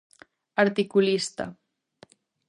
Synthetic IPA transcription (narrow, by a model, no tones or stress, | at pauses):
aɾt̪ikulist̪a̰